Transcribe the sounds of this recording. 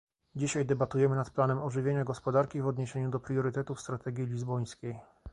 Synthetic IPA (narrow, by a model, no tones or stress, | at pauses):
d͡ʑiɕajd̪ɛbat̪ujɛmɘnat̪planɛmɔʐɘvʲjeɲaɡɔspɔd̪aɾkʲivɔd̪ɲeɕeɲud̪ɔpɾjɔɾɘt̪ɛt̪ufst̪ɾat̪ɛɡʲjilʲizbɔj̃skʲej